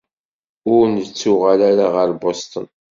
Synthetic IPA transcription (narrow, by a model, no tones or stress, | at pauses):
ʊɾnət͡sːʊʁalaɾaʁəɾbost̪ən